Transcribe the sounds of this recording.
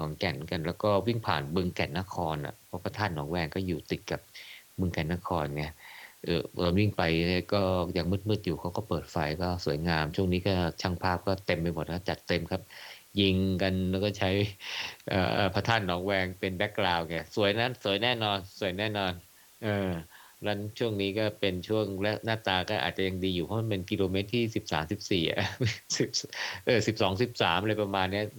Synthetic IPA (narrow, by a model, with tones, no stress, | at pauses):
kʰɔː˩˦ŋkɛ˨˩n˦ka˧nlɛː˦˥wkɔː˥˩wi˥˩ŋpʰa̰ː˨˩nbɯ˧ŋkɛ˨˩nːa˦˥˩kʰɔː˧nʔa̰˨˩pʰɔ˦˥˩pʰa˧t̪ʰaː˥˩nːɔː˩˦ŋwɛː˧ŋkɔː˥˩juː˨˩t̪i˨˩t̪̚ka˨˩p̚bɯ˧ŋkɛ˨˩nːa˦˥kʰɔː˧nŋɛ˧ʔɤː˨˩ɔː˧˦nwi˥˩ŋpa˧jɛ˧˥˩kɔː˥˩jaː˨˩ŋmɯ˦˥˩t̪̚mɯː˦˥˩t̪̚juː˨˩kʰa˦˥wkɔː˥˩pɤː˨˩t̪̚fa˧jkɔː˥˩su˨˩˦əjŋaː˧mt͡ɕʰu˥˩əŋniː˦˥kɔː˥˩t͡ɕʰa˥˩ŋpʰaː˥˩p̚kɔː˥˩t̪e˧mpa˧jmo˨˩kʰa˥˩t͡ɕa˨˩t̪ːe˧mkʰa˦˥p̚ji˧ŋka˧nlɛ˦˥wkɔː˥˩t͡ɕʰa˦˥jʔɤ̰ː˨˩ʔɤː˨˩pʰa˦˥t̪ʰaː˥˩nːɔː˨˦˥ŋwɛː˧ŋpe˧nbɛ˦˥kːlaː˧wkɛː˧˩su˩˦əjna˦˥nsu˨˩˦jnɛː˥˩nɔː˧nsu˨˩˦əjnɛː˥˩nɔː˧n | ʔɤː˨˩ | lɛ˦˥nt͡ɕʰu˥˩əŋniː˦˥kɔː˥˩pe˧nt͡ɕʰu˥˩əŋlɛ˦˥naː˥˩t̪aː˧kɔː˥˩ʔa̰˨˩t͡ɕa˨˩ja˧ŋdiː˧juː˨˩pʰɔ˦˥ma˧˨npe˧nki˧loː˧meː˦˥t̪ʰːiː˥˩si˨˩p̚sa̰ː˩˦msi˨˩p̚siː˨˩ʔʔsi˨˩p̚ʔɤː˨˩si˨˩p̚sɔː˩˦ŋsi˨˩p̚saː˩˦mʔɾaː˧jpɾa˧maː˧nːi˦˥ɐ